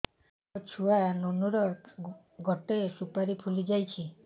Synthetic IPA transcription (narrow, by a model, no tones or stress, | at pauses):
ɔt͡ʃʰuanonuɾɔk | ɡɔʈesupaɾipʰulid͡ʒajt͡ʃʰi